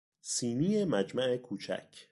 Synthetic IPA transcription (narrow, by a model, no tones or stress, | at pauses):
siːniːjemæd͡ʒmæe̞kʰuːt͡ʃʰæ̰kʰ